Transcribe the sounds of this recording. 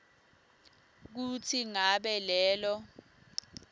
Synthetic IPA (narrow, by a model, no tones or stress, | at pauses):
k̬utʰiŋaɓɛlɛːlɔ